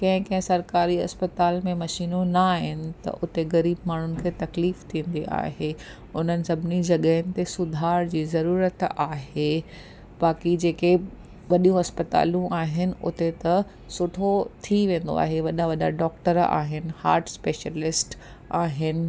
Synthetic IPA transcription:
kɐ̃ɦɪ̃kɐ̃ɦɪ̃sɐɾkaːɾiɐ̰spət̪aːlmẽmɐʃiːnonaːɦɪnɪ̆t̪ɐ̰ʔʊt̪eɣɐɾiːbmaːɳ̤ʊnɪ̆kʰeːt̪ɐkliːft̪ʰĩːn̆d̪iʔa̰ːɦe | ʊn̤ənɪ̆sɐbʱɪnid͡ʑɐɠəɦɪnɪ̆t̪esʊd̪ʱaːɾd͡ʑiːzɐɾuːɾət̪aːɦe | baːkid͡ʑeːke | ʋɐɗijũɦɐspət̪a̰ːlũʔaːɦɪnɪ̆ʔʊ̰t̪et̪ɐ | sʊʈʰot̪ʰiʋẽːn̆d̪o̰a̰ːɦeʋɐɗaʋɐɗaɖɔːkʈəɾa̰ːɦɪnɪ̆ha̰ːɾʈʰspeːʃəlɪsʈ | aːɦɪnɪ̆

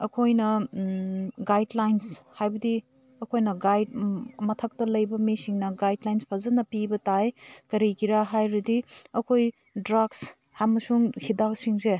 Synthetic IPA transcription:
ɐkʰojnɐ | ɡajdlajnshajbɐdi | ɐkʰojnɐɡajd̚mɐtʰɐk̚tɐlɐjbɐmisiŋnɐɡajdlajnspʰɐzɐnɐpibɐtajkɐɾikiɾaɦajɾɐdiɐkʰoj | dɾaɡs | hamɐsuŋhidak̚siŋze

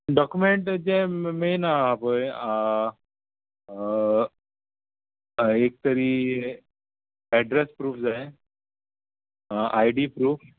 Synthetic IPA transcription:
ɖɔkjumeɳʈd͡zẽmejnaapəj | ek̚t̪əɾiː | ɛɖɾespɾuːfd͡zaj | ʔajɖiːpɾuːf

